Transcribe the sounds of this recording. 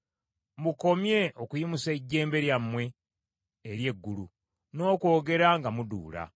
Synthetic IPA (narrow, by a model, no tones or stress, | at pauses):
muko̞mje̞okujimuseɟːe̞ːmbe̞ɾjamːwe̞ː | ɾje̞ɡːulu | no̞ːko̞ːɡe̞ɾaŋɡamudṵːla̰